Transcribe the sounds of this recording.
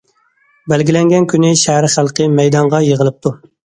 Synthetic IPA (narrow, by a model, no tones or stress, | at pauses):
bælɡʲilɛŋɡʲɛnkʲynɪʃæhæɾχælˠqʰəmɛjd̪ɑɴʁɑjəʁəlˠɨp̚t̪ʰu